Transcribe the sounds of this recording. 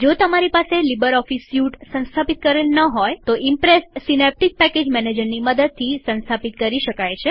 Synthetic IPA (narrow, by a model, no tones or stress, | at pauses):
d͡ʒot̪əmaɾipaselibəɾɔfisjuʈsə̃nst̪ʰapit̪̚kəɾelnəɦojt̪oʔimpɾesʈsinep̚ʈik̚pɛked͡ʒmɛned͡ʒəɾniməd̪əd̪̚t̪ʰːisə̃nst̪ʰapit̪̚kəɾiʃəkajt͡ʃʰe